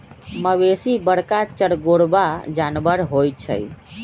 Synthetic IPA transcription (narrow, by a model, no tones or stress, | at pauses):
məʋesibəɽkat͡ʃəɽɡoɽbad͡ʒaːnbəɾɦoːjt͡ʃʰə̰j